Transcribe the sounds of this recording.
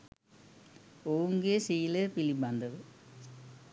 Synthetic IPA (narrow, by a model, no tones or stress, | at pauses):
ouŋɡesiːlepilibɐnd̪ɐðɯ